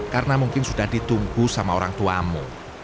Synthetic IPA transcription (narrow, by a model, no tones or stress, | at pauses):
karnamuŋkɪnsud̥ahd̥it̪uŋbusamaoɾaŋt̪uamṵ